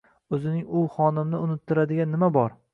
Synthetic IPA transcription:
ɵzɪnɪŋʊχɒnɪmnɪʊnɪt̪ʰːɪɾad̪ɪɡʲanːɪmabɒɾ

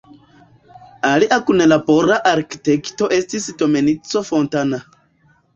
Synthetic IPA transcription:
aliʔakunelaboɾaʔaɾki̥tekto̞ʔe̞stisto̞me̞nit͡so̞fo̞ntana

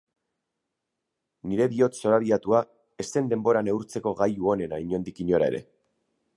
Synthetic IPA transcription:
niɾe̞βio̞t̪so̞ɾaβ̞iat̪ua | e̞st̪e̞nd̪e̞mbo̞ɾane̞uɾt͡se̞ko̞ɣajuo̞ne̞naiɲo̞nd̪ikiɲo̞ɾae̞̰ɾe̞̰

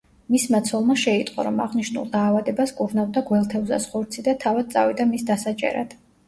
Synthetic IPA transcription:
mismat̪sʰɔlˠmaʃɛit̪ʼqʼɔ̰ɾɔma̰ʁniʃnṵlˠd̪aːvad̪ɛbaskʼuɾnavd̪aɡwɛlˠt̪ʰɛvza̰sχɔɾt̪sʰid̪at̪ʰavad̪̚tsʼa̰vid̪amisd̪asat͡ʃʼɛ̰ɾa̰d̪̥

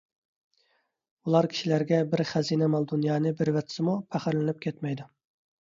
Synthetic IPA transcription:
ulˠɑɾkʲʰi̥ʃilæɾɡʲɛbɪɾχæzinɛmɑlˠd̪unjɑːnɨbɪɾwɛt̪ʰɪ̥sɨmupʰæχɪɾlɪnɨp̚kʲʰɛt̪mɛjd̪u

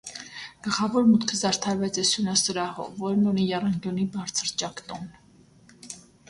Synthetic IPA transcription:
ɡ̥əlχɑvɔɾmut̪kʰəzɑɾt̪ʰɑɾvɛt͡sɛsjunɑsəɾɑhɔ̰vɔɾnɔnijɑrɑŋɡjɔnibɑɾt͡sʰəɾt͡ʃɑkt̪ɔn

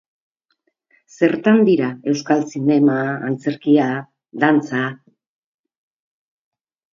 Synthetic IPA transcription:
se̞ɾt̪and̪iɾae̞wskalsine̞maːnt͡se̞ɾkia | d̪ant͡sa

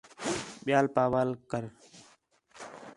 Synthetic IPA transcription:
ɓɪjaːlpaːʋaːlkəɾ

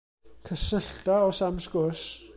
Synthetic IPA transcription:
kʰəsəɬtaɔsamskʊs

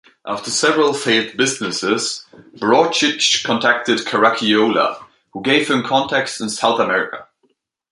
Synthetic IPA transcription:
ʔaftə˞sɛvəɹəlˠfeɪlθbɪznɪsɪz̥b̥ɹɔt͡ʃɪt͡ʃkʰɔ̃ntʰæk̚tɨdkʰəɹakʰioʊlə̰ | huɡeɪv̥hɨ̃mkʰɑ̃ntʰɛkstɨ̃nsaʊθəmɛɹɪkə̰

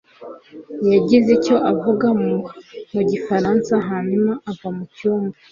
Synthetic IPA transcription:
jaɟizeco̞ʔavuɡammuɟifaɾansaɦaɲumaʔːvamucuːmba

